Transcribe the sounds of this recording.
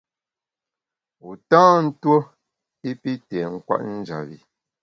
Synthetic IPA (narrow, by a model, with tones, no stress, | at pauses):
u˨tãː˦n̩˦two˦ | i˦pi˦tɛ˨ŋ̩˦kwa̰˦ʔn̩˦d͡ʒa̰˨bi˨